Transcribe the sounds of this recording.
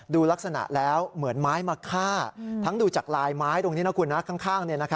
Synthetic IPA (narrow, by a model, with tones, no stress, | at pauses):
duː˧la˦˥k̚sa˧na̰˨˩ʔlɛː˦˥wmɯ˩˦ənmaː˦˥jmaː˧kʰaː˥˩t̪ʰa˦˥ŋduː˧t͡ɕaː˨˩k̚laː˧jmaː˦˥jt̪o˧ŋni˦˥na˦˥kʰu˧nːa˦˥kʰa˥˩ŋkʰaː˥˩ŋni˥˩ɐna˦˥kʰa˦˥